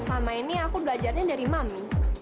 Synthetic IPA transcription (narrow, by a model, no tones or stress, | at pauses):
samainiakubəlad͡ʒarɲadaɾimami